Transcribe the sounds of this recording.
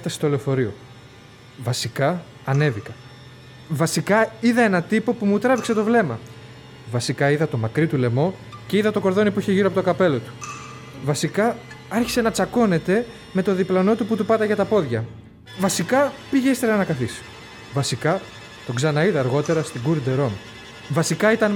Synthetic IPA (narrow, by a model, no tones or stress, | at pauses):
ft̪ɐsest̪o̞leofo̞ɾio̞̰ | vɐsikɐ | ɐne̞vikɐ | vɐsikɐiðɐe̞nɐt̪ipo̞pumut̪ɾɐvikse̞t̪o̞vle̞mɐ | vɐsikɐiðɐt̪o̞mɐkɾit̪ule̞mo̞ce̞iðɐt̪o̞ko̞ɾðo̞nipuiçe̞ʝiɾoɐpot̪okɐpe̞lo̞t̪u̥ | vɐsikɐ | ɐɾçi̥se̞nɐt͡sɐko̞ne̞t̪e̞ | me̞t̪o̞ðiplɐno̞t̪uput̪upɐt̪ɐʝɐt̪ɐpo̞ðʝɐ | vɐsikɐpiʝeist̪eɾɐnɐkɐθis | vɐsikɐ | t̪o̞ɡzɐnɐiðɐːɾɣo̞t̪e̞ɾɐst̪iɡuɾd̪e̞ɾo̞m | vɐsikɐit̪ɐn